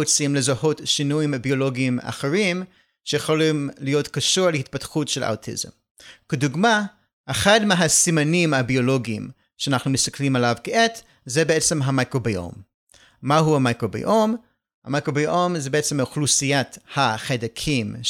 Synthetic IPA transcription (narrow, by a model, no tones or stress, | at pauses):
ot͡simlezahotʃinujimabioloɡiːma̰χeʁim | ʃejeχolimlijotkaʃuʁlehit̚patχutʃelʔa̰wtʰḭzḛm | keduɡma | ʔeχadmeɦasimanimabioloɡiḭm | ʃanaχnumɪst̪aklimalavkeʔet | zɛbeɛt͡semɦamakʁobejo̰mː | aɦuhamajkʁobḛʔom | ha̰majkʁobeʔomzɛbeet͡semaχlusijathaχedakʰim